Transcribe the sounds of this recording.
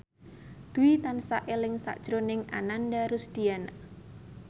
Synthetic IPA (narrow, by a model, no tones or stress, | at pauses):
d̪̥uwit̪ansaʔelɪŋsa̰ʔd̥ʒ̥ɾonɪŋa̰nandaɾusd̪̥iana